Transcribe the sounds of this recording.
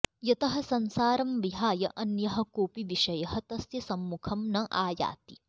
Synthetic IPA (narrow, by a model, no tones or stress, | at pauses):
jɐt̪ɐɦɐ̆sɐnsaːɾɐmʋiɦaːjɐʔɐnjɐɦɐ̆koːpiʋiʃɐjɐɦɐt̪ɐst̪ɐsɐmːukʰɐmnɐʔaːja̰ːt̪i